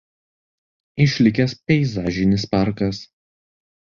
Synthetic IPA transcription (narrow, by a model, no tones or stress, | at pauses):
ɪʃʲlʲɪkʲɛspʲɛɪzɑːʒʲɪnʲɪspɑˑɾkɐs